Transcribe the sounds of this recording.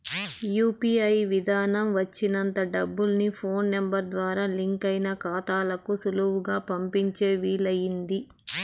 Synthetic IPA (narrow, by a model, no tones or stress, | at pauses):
juːpiɐjʋid̪ʱaːnɐmʋɐt͡ʃːinɐnt̪ɐɖɐbːulnipʰo̞ːnːembɐɾd̪ʋaːɾaːliŋkɐjnɐkaːt̪aːlɐkusuluɦuɡaːpɐmpiɲt͡ʃeːʋiːlɐjind̪i